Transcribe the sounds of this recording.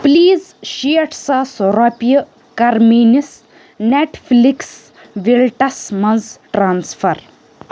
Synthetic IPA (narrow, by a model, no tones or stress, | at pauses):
pliːzʃiʈsasoɾapijə | kɐɾmiːnis | neʈfliks | ʋilʈɐsmɐ̃zʈɾaːnsfɐɾ